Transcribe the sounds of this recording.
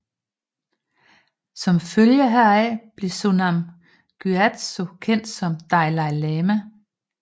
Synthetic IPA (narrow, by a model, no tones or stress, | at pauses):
sɒ̽mføljəɦæɐ̰ɛb̥le̝sunæm | ɡ̥yæd̥so̝kʰen̰d̥sɒ̽md̥ɑ̈ɪlɑ̈ɪlɛːmə